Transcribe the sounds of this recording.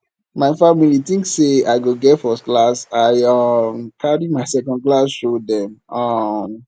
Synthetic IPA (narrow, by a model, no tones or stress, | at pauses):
maɪfamilitĩŋkseaɪɡoɡɛtfɔstklasaɪʌmkʰaɹimaɪsɛkɔ̃nd̚klasʃodɛ̃mʌm